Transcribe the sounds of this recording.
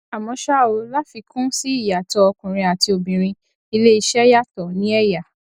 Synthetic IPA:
a˨mɔ̃˨˧ʃa˦˨o˧˦la˦fi˧kũ˦si˦i˦˨ja˨tɔ˧ɔ˧kũ˨ɾ̃ĩ˧a˨ti˧o˨bĩ˨ɾ̃ĩ˧ | i˧le˦i˧ʃɛ˦ja˦˨tɔ˨nĩ˦ɛ˦ja˦˨

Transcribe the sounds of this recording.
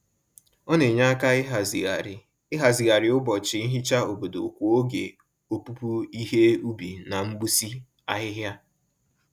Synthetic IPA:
ɔ˦ne˨ɲa˦a˦ka˦˨˦ | ɦa˨zɪ˨ɣa˨ɾɪ˨ʊ˦bɔ˨t͡ʃɪ˨i˦ɦɪ˦t͡ʃa˦o˨bo˨do̰˨kʷu˨o˦ɡḛ˨ | o˨pu˦pu˦i˦ɦe˦u˦bi˨na˨m̩˦bu˦si˦ | a˦ɦɪ˦ɦja˦

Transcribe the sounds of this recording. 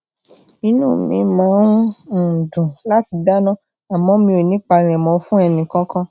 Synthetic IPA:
i˧nũː˦˨mḭ̃˨˧˦mãː˨˦ñ̩˦˨dũ˨la˦ti˧da˦nã˦ | a˨mɔ̃˨˦mĩ˧o˨nĩ˦k͡pa˧ɾ̃ɛ̃˨mɔ̃˧fũ˦ɛ˧nĩ˨kã˨˦kã˦

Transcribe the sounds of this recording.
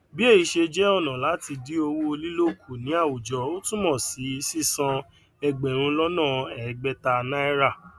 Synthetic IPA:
bi˦e˦˨i˨˧ʃe˧d͡ʒɛ˦ɔ˦˨nã˨la˨˦ti˧di˦o˧wo˦˧li˦lo˦˨kʰu˨nĩ˨˦a˦˨wu˨d͡ʒɔ˨˧o˦tũ˦mɔ̃˦˨si˨˦˧si˦˨sã˧ | ɛ˧ɡ͡bɛ˨ɾ̃ũ˧lɔ˦nã˦˨ɛ˨ɡ͡bɛ˦ta˧nã˦ɛ˦ɾa˦˨

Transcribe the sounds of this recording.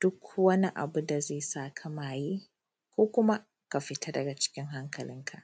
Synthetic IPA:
d̥ʊ˦kʰwɐ˦ni˦ʔa̰˨bu˦da˨zeː˦˨saː˦˨kʰa˦maː˨jiː˦ | kʷoː˦kʷʊ˦ma˦ | ka˨ɸɪ˨˦tʰa˦dɐ˨ɡa˨t͡ʃɪ̥˦kʲɪ˦ŋɦa˦ŋkʰɐ˨lɪ˦ŋkʰa˨ʔ

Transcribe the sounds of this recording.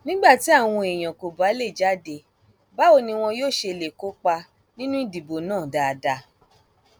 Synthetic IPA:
nĩ˦ɡ͡ba˦˨ti˨˦a˦˨w̃ɔ̃˧e˨j̃ã˨ko˨ba˨˦le˦˨d͡ʒa˦˨de˧ | ba˨˦o˦˨nĩ˧w̃ɔ̃˧joː˦˨ʃe˧˨le˨ko˨˦k͡pa˧ | nĩ˦nũ˦i˦˨di˨bo˨nãː˦˨da˧da˧

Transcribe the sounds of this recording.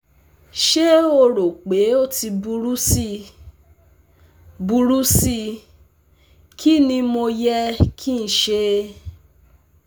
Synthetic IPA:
ʃe˦o˧ɾo˨k͡pe˨˦o˦˨ti˧bu˧ɾu˦si˦˧ | bu˧ɾu˦si˦˧ | kʰi˦˨nĩ˧mo˧jɛ˦kʰi˦n̩˨ʃe˧˦

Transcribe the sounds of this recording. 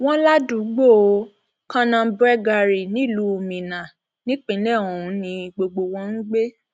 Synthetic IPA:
w̃ɔ̃˦la˦du˨˦ɡ͡bo˦˨˦ | kã˧nã˧bɾɛ˦ɡa˧ɾi˨nĩ˦˨lu˨˦o˨mĩ˨nã˨ | nĩ˦k͡pĩ˨˦nɛ˦˨o˨ũ˨˦nĩ˧ɡ͡bo˧ɡ͡bo˧wɔ̃˧˦n̩˦ɡ͡be˦

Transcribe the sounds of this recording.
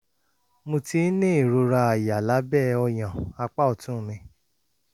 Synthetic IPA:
mo˧ti˧˦nĩ˦i˨ɾo˧ɾa˧a˨ja˨la˨˦bɛ˦˨ɔ˧j̃ã˨a˧k͡pa˦ɔ˨tũ˦˨mĩ˧

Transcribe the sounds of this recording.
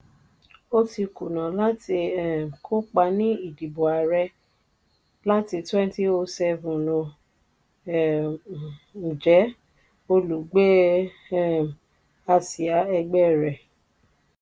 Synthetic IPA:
o˦ti˧ku˨nã˨la˦ti˧ɛ˦˨kʰo˦k͡pa˧˦nĩ˦i˦˨di˨bo˨a˨ɾɛ˧ | la˦ti˧twɛ̃˦n˦ti˦o˧sɛ˧vũ˨lõ˧˨ | n̩˨d͡ʒɛ˨˦ | o˧lu˨˦ɡ͡be˦ | a˧si˨a˨˦ɛ˧ɡ͡bɛ˦˨ɾɛ˨

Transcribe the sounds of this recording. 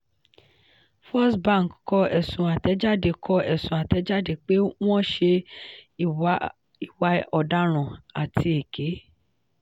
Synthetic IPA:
fɔ˦sbã˦˨kkɔ˧ɛ˨sũ˨a˨tɛ˨˦d͡ʒa˦˨de˧kʰɔ˧ɛ˨sũ˨a˨tɛ˨˦d͡ʒa˦de˧k͡pe˦w̃ɔ̃˦˨ʃe˧ | i˨wa˧ɔ˨da˦ɾ̃ã˨a˨tʰi˧e˨ke˨˦

